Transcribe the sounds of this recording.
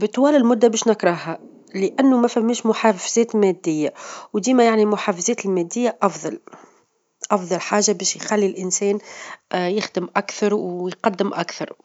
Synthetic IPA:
bət̪ˤːwæːlɪlmʊd̪ːabɛːʃnɪkɾˤɑɦa | ləʔænːumæfæmːiːʃmʊħaːfzɛːt̪mɛd̪ːɪjːawd̪iːmæjaʕnimʊħaːfzɛːt̪ɪlmæːd̪ːɪjːaʔɑfðˤɑl | ʔɑfðˤɑlħaːʒabɛːʃjxælːilʔənsɛːn | jɪxd̪əmʔækθɑɾˤwjqɑd̪ːəmʔakθɑɾˤ

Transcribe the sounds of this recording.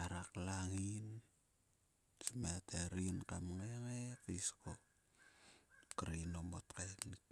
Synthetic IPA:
aɾaklaŋin | samateɾinkamŋeŋekisko | kaɾanomo̰tkajkni

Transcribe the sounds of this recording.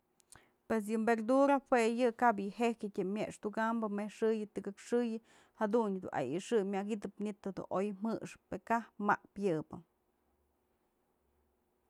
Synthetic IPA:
pes̬jɨmbeɾd̪uɾahwejɨkaʔbjɨhekɨtʲɨmʲeʔʂt̪uɡambɨmehʂɨjɨt̪ɨɡɨkʂɨjɨ | had̪unɨd̪ṵʔa̰jḭʂɨmʲaɡit̪ɨpnit̪ːod̪ṵʔojm̥ɨʂpekahma̰pjɨbɨ

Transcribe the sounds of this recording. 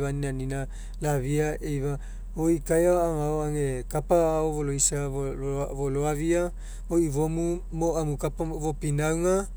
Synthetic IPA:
aninanina | laβiaejβa | oikajaaŋaoaŋekapaːovoloisa | voloaβia | oivomu | moamukapavopinawŋa

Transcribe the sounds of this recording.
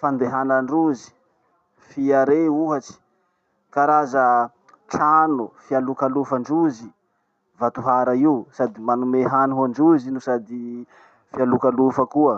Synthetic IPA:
fand̪eɦanaɳɖ͡ʐuzi̥ | fiaɾeuɦaʈ͡ʂi̥ | kaɾazə | ʈ͡ʂanufialukalufaɳɖ͡ʐuzi | vat̪uɦaɾaisad̪imanumeɦanɦaɳɖ͡ʐuzinusad̪i | fialukalufəkuə

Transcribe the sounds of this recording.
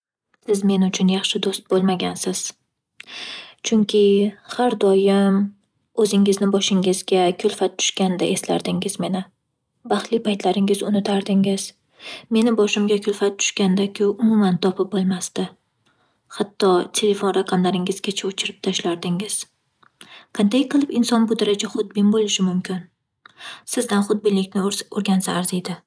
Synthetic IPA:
sɪzme̞nʊt͡ʃʰʊnjɑχʃɪd̪ost̪̚bolˠmaɡʲansɪz̥ | t͡ʃʰʊŋkʲʰɪhaɾd̪ɒjɪm | ɵzɪŋɪznɪbɒʃɪŋɪzɡʲakʲʰʊlfat̪̚ːʰʊ̥ʃkʲand̪aʔe̞sla̰ɾd̪ɪŋɪzme̞nɪ | bɑχlɪpʰajt̪ʰlaɾɪŋɪzʊnɪt̪ʰaɾd̪ɪŋɪz̥ | me̞nɪbɒʃɪmɡʲakʰʲʊlˠfat̪̚ːʰʊ̥ʃkʲand̪akʲʰʊʊmʊmant̪ʰɒpʰɪp̚bolˠmast̪ɪ | hat̪ʰːɒt̪ʰe̞le̞fonɾaqʰɑmlaɾɪŋɪz̥kʲat͡ʃʰaʊt͡ʃʰɪɾɪp̚t̪ʰaʃlaɾd̪ɪŋɪz̥ | qʰɑnd̪ajqʰɨlˠɪpɪnsɒnbʊd̪aɾad͡ʒaχʊd̪̚bɪnbolˠɪʃɪmʊmkʲʰɪn | sɪzd̪anχʊd̪̚bɪnlɪkʲnɪoɾɡʲansaːɾzejd̪ɪ

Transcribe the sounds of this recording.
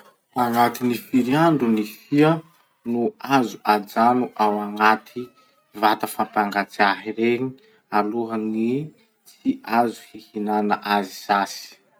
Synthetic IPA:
aŋat̪inifiɾiaɳɖ͡ʐunifiə | nuazuad͡ʒanuʔawaŋat̪ʰi | vat̪əfampaŋɡat͡saɦiɾeɲi | aluɦəni | t͡siazu̥hihinanəʔaziz̥asi̥

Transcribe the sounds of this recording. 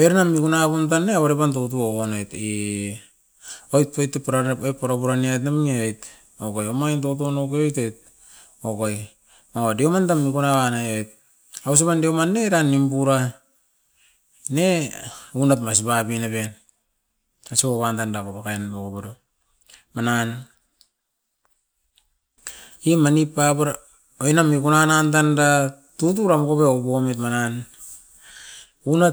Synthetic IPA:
eɾnamikunapuntanːeaβaɾepantot̬uoonojti | ojt̚pojtːepɾaoj̚pːaɾapuɾaniajt̬namŋeojt | okojomajntotonokeojtojt̚ | okoj | modiomantamːikunaanaojt̚ | aus̬eβandiomanːeɾanːimbuɾa | neunatmas̬ibapinaben | asiβoβantandakopakaenbokobado | manan | imanipːapaɾ | ojnamikunanantanda | tutuɾamokoβeobometmanan | una

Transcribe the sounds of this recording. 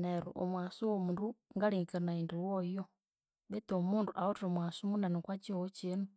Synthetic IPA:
nɛɾṵʔɔmwasiwɔmunduŋɡaliŋkanaindiwɔjɔ | ɓɛt̪ɔmunduʔaɔtɔmwasumunanikwat͡ʃiɔɔt͡ʃinu

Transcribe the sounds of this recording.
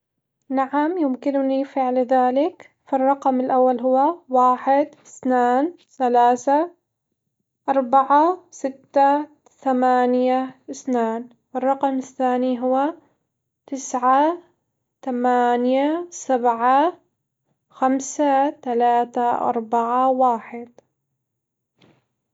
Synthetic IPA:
naʕamjʊmkɪnʊnifɪʕlðaːlɪk | farˤːɑqmɪlʔawːalɦʊwːawaːħɪd̪ɪθnaːn | θalaːθa | ʔɑɾˤbaʕasɪt̪ːa | θamaːnjaɪθnaːn | wɪrˤːɑqɑmɪθːaːniɦʊwːa | t̪ɪsʕa | t̪amaːnjasabʕa | xamsat̪alaːt̪aʔɑ̰ɾˤbaʕawaːħɪd̪̚

